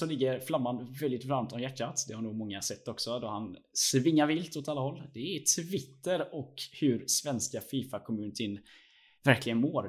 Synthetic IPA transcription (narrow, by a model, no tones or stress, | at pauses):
sɔlɪɡːəɾflamːanvɛld̪ɪt̪vɾamt̪ʰɔmjæʈʰːat̪d̪ɛhaɾnuːɡmɔŋːasɛt̪ːɔksɔd̪ɔhan | svɪŋːaɾvɪlt̪ot̪alːahɔlːd̪ɛɛt̪ʰːvɪt̪ːəɾɔkhɵɾsvɛnskafiːfakʰɔmʉ̟ːnt̪ʰɪn | væɾklɪɡənmoːɾ